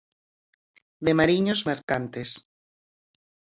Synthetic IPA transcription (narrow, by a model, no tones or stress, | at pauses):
d̪emaɾiɲozmeɾkant̪es